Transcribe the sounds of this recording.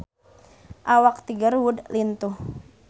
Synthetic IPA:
ʔawak̚t̪iɡarwudlint̪uh

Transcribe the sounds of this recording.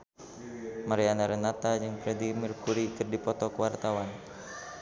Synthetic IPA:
maɾianaɾənat̪ad͡ʒɨŋpɾɛdimirkuɾikɨrdipɔt̪ɔkəwart̪awan

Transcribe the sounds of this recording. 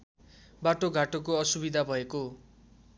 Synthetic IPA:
baʈoɡʱaʈokoʌsubid̪ʱabʱʌeko

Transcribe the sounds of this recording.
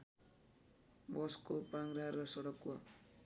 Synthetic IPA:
bʌskopaŋɾarʌsʌɽʌkwa

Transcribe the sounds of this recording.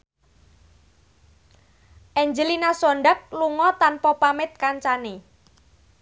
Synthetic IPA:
ʔɛɲd͡ʒəlinasɔɳɖak̚luŋɔt̪anpɔpamɪt̪̚kaɲt͡ʃane

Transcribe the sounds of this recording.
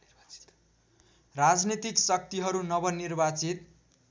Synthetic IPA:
rad͡znit̪iksʌk̚t̪iɦʌɾunʌβʌnirbat͡sit̪̚

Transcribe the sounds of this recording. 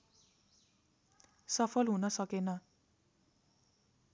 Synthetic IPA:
sʌpʰʌlɦunʌsʌkenʌ

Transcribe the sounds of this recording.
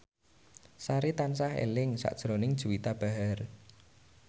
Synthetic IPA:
saɾit̪ansaɦḛlɪŋsa̰ʔd̥ʒ̥ɾonɪŋd̥ʒ̥ṳwit̪ab̥a̤ɦar

